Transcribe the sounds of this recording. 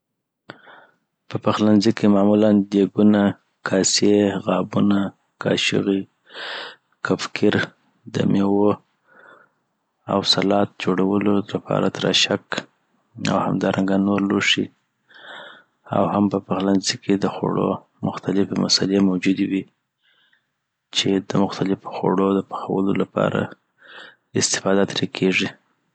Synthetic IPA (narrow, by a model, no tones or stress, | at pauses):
pəpaxlanzikemɑmuland̪eɡuna | kʰɑseɣɑbuna | kʰɑ̰ʃə̰ɣi | kʰafkʰɪɾ | d̪ə̰mewo | a̰wsalɑt̪̚d͡ʒoɽawəlolapʰɑ̰ɾat̪ɾa̰ʃak | a̰wha̰md̪ɑɾʔaŋɡanoɾloʂi | a̰whampəpaɣlanzikʰed̪əxo̰ɽo̰ | mʊxt̪alɪfemasalemawd͡ʒud̪ewi | t͡ʃed̪əmʊxt̪alɪfo̥xo̰ɽod̪əpḁxawəlolapɑ̰ɾa̰ | ɪst̪ɪ̥fɑd̪at̪ɾikʰeʐi